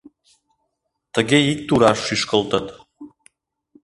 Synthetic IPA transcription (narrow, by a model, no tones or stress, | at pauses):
t̪əɣeik̚t̪uɾɑʃːyʃkə̆lt̪ə̆t̪